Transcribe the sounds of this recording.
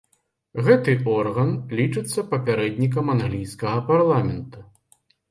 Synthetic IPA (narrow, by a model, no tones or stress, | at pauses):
ɣɛt̪ɨʔɔrɣɐnlʲit͡ʂɨt̪sːɐpɐpʲaɾɛd̪ʲnʲik̬ɐmanɣlʲijskɐɣɐparlˠamʲɛnt̪u